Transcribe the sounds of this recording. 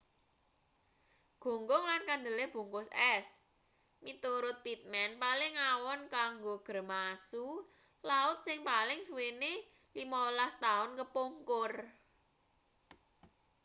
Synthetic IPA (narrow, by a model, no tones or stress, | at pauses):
ɡ̥o̤ŋɡʊŋlankand̪ə̤leb̥o̤ŋkʊsɛs | mit̪uɾʊt̪̚pit̪̚mɛnpalɪŋawɔnkaŋɡoɡ̥ə̤rmasu | laʊt̪̚sɪŋpalɪŋsuwene | limawəlast̪aʊnkəpoŋkʊr